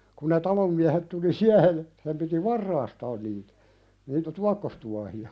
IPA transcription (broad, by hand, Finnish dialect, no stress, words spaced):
kun ne tɑlom miæhet tuli siæhej jɑ sem piti ʋɑrːɑːstɑːn niːtæ niːtæ tuɑkːostuɑhiɑ